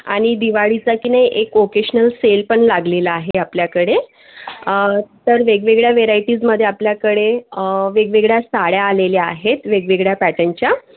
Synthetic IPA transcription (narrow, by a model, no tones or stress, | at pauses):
a̰ɽ̃id̪iʋaɭit͡sakinajʔekokeɕənəlselpəɳlaɡlelaaɦeapljakəɽe | t̪əɾʋeɡʋeɡɭjaʋeɾaiʈiːd͡zməd̪ʱːjeapljakəɽeʋeɡʋeɡɭjasaɽjaːleleaɦet̪ʋeɡʋeɡɭjapæʈənt͡ɕja